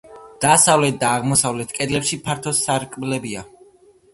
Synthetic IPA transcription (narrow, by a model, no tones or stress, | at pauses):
d̪̥asavlɛt̪̚d̪aːʁmɔsavlɛt̪ʰkʼɛd̪lɛpʃipʰaɾt̪ʰɔsaɾkʼblɛbia